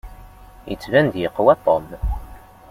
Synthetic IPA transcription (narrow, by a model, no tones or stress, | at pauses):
jət͡sːvænd̪jəqːwæt̪ˤːom